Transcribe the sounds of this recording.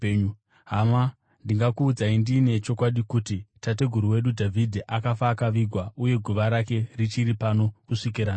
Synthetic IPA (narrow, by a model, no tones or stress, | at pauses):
ɦama | ndiŋɡakuːd͡zaindine̞t͡ʃo̞kwaɗikutitate̞ɡʱuɾuwe̞ɗudʱavʱidʱeʔakafaːkaʋiɡʱwauje̞ɡʱuʋaɾake̞rit͡ʃiɾipano̞kuʂik̬iɾaːna